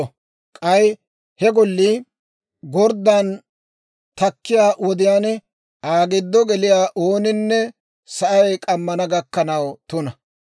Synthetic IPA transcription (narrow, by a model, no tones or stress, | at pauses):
kʼɐj | hɛɡɔlːi | ɡɔɾd̪ːan | t̪ɐkːɪjaːwɔd̪ɪjaːnɛ | aːɡɪd̪ːɔɡɛlɪjaːʔoːnɪnːɛ | sɐʔɐjkʼɐmːɐnɐɡɐkːɐnɐwt̪ʊnɐ